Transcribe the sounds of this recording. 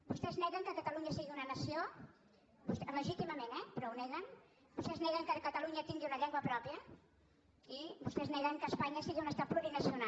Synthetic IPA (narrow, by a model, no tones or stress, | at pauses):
bust̪ɛznɛɣəŋkəkət̪əluɲəsiɣiunənəsio | bust̪ləʒit̪iməmenɛpɾɔwnɛɣən | bust̪ɛznɛɣəŋkəkət̪əluɲət̪iŋɡiunəʎɛŋɡwəpɾɔpiə | ibust̪ɛznɛɣəŋkəːspaɲəsiɣiunəst̪at̪pluɾinəsiuna